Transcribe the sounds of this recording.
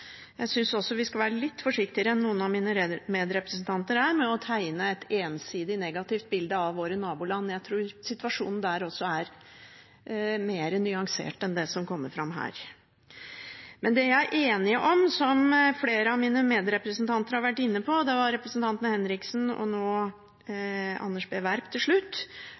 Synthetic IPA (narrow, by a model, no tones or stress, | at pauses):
jæɪsʏnsɔsːɔʋɪskɑʋæːɾəlɪt̪ːfɔʂɪkt̪ɪəɾəɛnːuːənɑʋmiːnəmeːd̪ɾɛpɾəsnt̪ʰɑnt̪əɾæːɾmɛɔt̪ʰæɪnəɛt̪eːnsiːd̪ɪnɛɡɑt̪ɪft̪̚bɪld̪əɑʋʋoːɾənɑːbʊlɑnːjæɪt̪ʰɾuːɾsɪt̪ʋɑʂṵːnn̩d̪æɾɔsːɔæɾ | meːɾənʏɑŋsḛːʈɛnd̪ɛsɔmkʰɔmːəɾfɾɑmɦæ̰ːɾ | mɛnd̪ɛjæɪʔeːnɪʔɔmsɔmfleːɾəɑʋmiːnəmeːd̪ɾɛpɾəsnt̪ʰɑnt̪əɾhɑɾʋæʈːɪnːəpʰɔd̪ɛʋɑɾɾɛpɾəsnt̪ʰɑnt̪ənəhɛnɾɪksnɔ̰noː | ɑ̰nːəʂbeːʋæɾpt̪ʰɪlʂɭʉt̪ː